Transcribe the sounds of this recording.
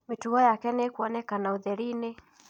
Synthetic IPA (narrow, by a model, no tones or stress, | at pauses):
mituɔjakɛnɛkuɔnɛkanauðɛɾini